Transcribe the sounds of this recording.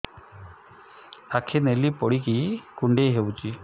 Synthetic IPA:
akʰenelipoɽik̬ikuɳɖeɦewut͡ɕi

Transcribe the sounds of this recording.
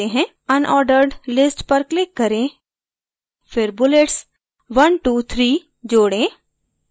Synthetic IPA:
eɦɛ̃ː | ɐnʔɔːɾɖəɾɖlɪsʈpɐɾklɪkːɐɾẽ | fʰɪɾbʊleːʈs | ʋɐnʈuːt̪ʰɾiː | d͡ʒoːɽẽː

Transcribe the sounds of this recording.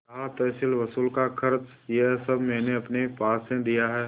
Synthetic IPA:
t̪ɦat̪ɛːsɪlʋɐsuːlkakʰɐɾt͡ʃ | jeɦsɐbʱmɛːneɐpnepaːsẽd̪ijaɦɛː

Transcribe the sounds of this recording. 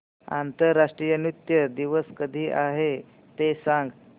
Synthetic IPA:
a̰nt̪əɾːaʂʈɾiːjənjut̪jəd̪iʋəskəd̪ʱiːʔaɦe | t̪esãŋɡ

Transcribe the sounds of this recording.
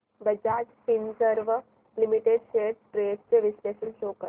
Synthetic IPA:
bəd͡ʑatpinsəɾʋə | limiʈeɖʃeʈ̚ʈɾeʈt͡seʋisleʃənʃoːkə

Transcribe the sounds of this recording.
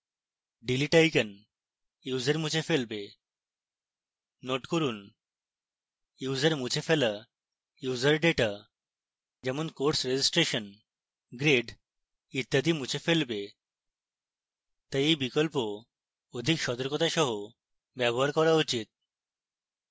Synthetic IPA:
ɖiliʈajkən | juːzeɾmut͡ɕʰefelbe | noʈkoɾun | juzeɾmut͡ɕʰefela | juzəɾɖeʈa | d͡ʑɛmonkoɾʈsɾed͡ʑisʈɾeʃɔn | ɡɾeɖ | it̪jad̪imut͡ɕʰefelbe | t̪ajejbikɔlpo | od̪ʱikʃɔt̪ɔɾkɔt̪aʃɔɦo | bɛbɔɦaɾkɔɾaut͡ɕit̪̚

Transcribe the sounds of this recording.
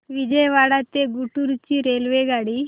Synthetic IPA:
ʋid͡ʑɛjʋaɽat̪eɡuʈuɾt͡ɕiɾelʋeɡaɽi

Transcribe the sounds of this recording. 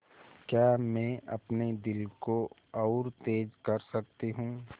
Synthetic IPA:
kjaːmɛ̃ːʔɐpned̪ɪlkoɔːɾt̪eːd͡ʒkɐɾsɐk̚t̪iɦũː

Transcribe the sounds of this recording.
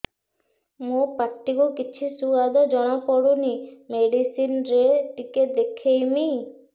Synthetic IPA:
mopaʈːikukit͡ʃʰisuad̪ɔd͡ʒɔɽ̃ɔkɔɽunimeɖisinɾeʈikeʈ̚d̪ekʰejmi

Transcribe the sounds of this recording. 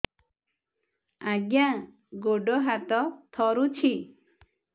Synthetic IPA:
aɡjã | ɡoɖɔɦat̪ɔt̪ʰɔɾut͡ʃʰi

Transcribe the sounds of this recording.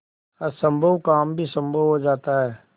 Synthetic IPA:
ɐsə̃mbʱəʋkaːmbʱisə̃mbʱəʋɦod͡ʒaːt̪aɦɛː

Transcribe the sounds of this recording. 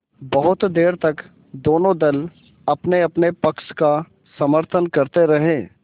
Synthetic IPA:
bɐɦʊt̪d̪eːɾt̪ɐk | d̪oːnõd̪ɐl | ɐpneɐpnepɐkʃka | sɐməɾt̪ʰənkɐɾt̪eɾɐɦẽː

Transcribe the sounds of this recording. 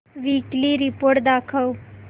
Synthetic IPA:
ʋikliɾipoɾʈ̚d̪akʰəw

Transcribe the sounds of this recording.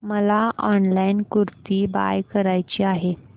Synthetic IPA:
məlaɔnlajnkuɾt̪iːba̰jkəɾajt͡ɕiːaɦe

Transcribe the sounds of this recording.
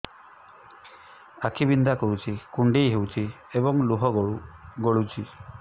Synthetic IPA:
akʰibind̪ʱakɔɽut͡ʃʰikuɳɖejɦewt͡ʃʰi | ebɔŋluɦɔɡɔuɡoɭut͡ʃʰi

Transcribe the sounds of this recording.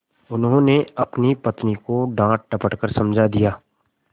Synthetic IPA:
ʊnɦõːneɐpnipɐt̪nikoɖãːʈ̚ʈɐpəʈkəɾsɐ̃md͡ʒʱad̪ijaː

